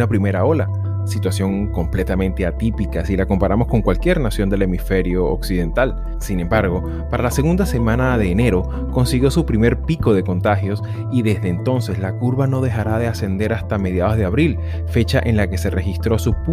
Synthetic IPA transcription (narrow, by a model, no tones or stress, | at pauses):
apɾime̞ɾao̞la | sit̪wasjo̞ŋ | ko̞mple̞t̪amẽ̞nt̪e̞at̪ipikasilako̞mpaɾamo̞sko̞ŋkwalkje̞ɾnasjo̞nd̪e̞le̞mife̞ɾjo̞̰ːksið̞e̞nt̪al | sinẽ̞mbaɾɣo̞ | paɾalase̞ɣund̪ase̞mãnaðe̞ːne̞ɾo̞ | ko̞nsiɣjo̞supɾime̞ɾpiko̞ð̞e̞ko̞nt̪axjo̞s | iðe̞zðe̞ːnt̪o̞nse̞zlakuɾβano̞ð̞e̞xaɾaðe̞ase̞nd̪e̞ɾast̪ame̞ðjaðo̞zðe̞aβɾil | fe̞t͡ʃaʔenlake̞se̞re̞xist̪ɾo̞sup